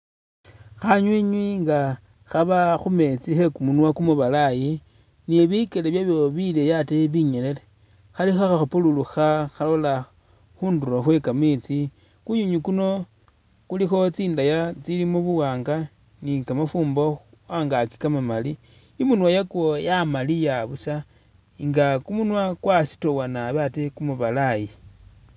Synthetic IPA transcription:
xaɲwiɲwiŋɡa | xaβaxume̞t͡sixe̞kumunwakumuβalaji | niβikeleβjaβjoβile̞jateβiɲele̞le | xalixaxaxupululuxaxalo̞la | xuːnduɾoxwe̞kamit͡si | kuɲuɲikuno̞ | kulixo̞t͡siːndajat͡silimoβuwaːŋɡa | nikamafuːmbox | waːŋɡaki̥kamamaliː | munwajakwojamalijaβusa | ŋɡakumunwakwasi̥towanaβatekumuβalai

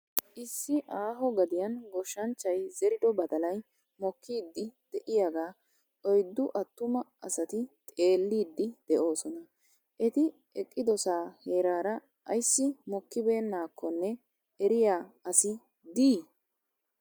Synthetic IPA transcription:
ʔɪsːɪʔaːɦɔɡɐd̪ɪjɐnɡɔʃːɐnt͡ʃːɐjzɛɾɪd̪ɔbɐd̪ɐlɐj | mɔkʰːiːd̪ːɪd̪̥ɛʔɪjaɡaː | ʔɔjd̪ːʊʔɐt̪ːʊmɐɐ̰sɐt̪ɪt̪ʼe̞ːlːiːd̪ːɪd̪̥ɛʔo̞ːsɔnɐ | ʔɛt̪ɪ | ɛkʼːɪd̪ɔsaːheːɾaːɾɐ | ʔɐjsːɪmɔkːɪbe̞ːnːaːkʰːɔnːɛ | ɛɾɪjaːɐsɪ | d̪iː

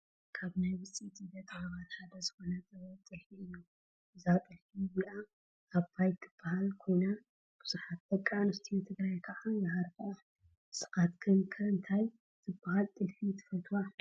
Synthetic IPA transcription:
kʰaβnajwɨt͡sʼit̪ʰibɐt̪ʼʕaβat̪ħad̪ɐzɨxonɐzʼɐβɐt̪ʼɐħiju | ʔɨzat̪ʼɐħijubɨlaː | βbajt̪ʰːɨb̥ːahalkʰona | b̥ɨsuħat̪̚bɐkʼːanɨst̪ʰit̪ʰɨɡɾajkʰɐʔajahaɾkɨʔa | sʼɨ̥xat̪kʰɨnkʰɐɨnt̪ʰaj | t̪ʰɨbːahalt̪ʼɨlfit̪ʰɨ̥fɐlt̪ʰuwa

